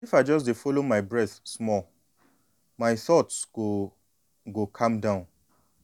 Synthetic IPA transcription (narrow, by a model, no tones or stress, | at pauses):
ifaɪd͡ʒɔs̬defolomaɪbɹɛθsmɔl | maɪθɔtsɡo | ɡokʰãmdãʊ̃n